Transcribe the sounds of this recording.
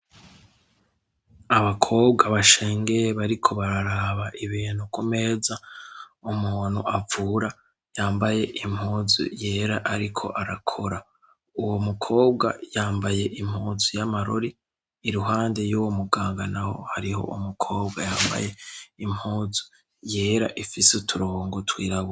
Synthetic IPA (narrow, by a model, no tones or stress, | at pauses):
aβakʰo̞ːbɡaβaʃe̞ːŋɡe̞jeβaɾikʰo̞βaɾaɾaːβaʔiβiːn̥hukume̞ːzaumuːn̥huʔavuɾa | jaːmbaje̞ʔimhuːzṵje̞ːɾaʔaɾikʰo̞̰ʔaɾakʰo̞ɾa | uwo̞mukʰo̞ːb̚ɡa̰jaːmbaje̞ʔim̥huːzujamaɾo̰ɾiː | ɾuɦaːnde̞juːwomuɡaːŋɡanaho̞̰haɾiho̞̰ʔumukʰo̞ːb̚ɡajaːmba̰je̞im̥huːzu̥ | je̞ːɾaʔifisutʰuɾoːŋɡotwiːɾaβu